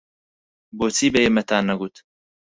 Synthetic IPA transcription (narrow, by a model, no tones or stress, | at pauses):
boːt͡sʰiːbeemɐt̪ʰaːnːɐɡuːt̪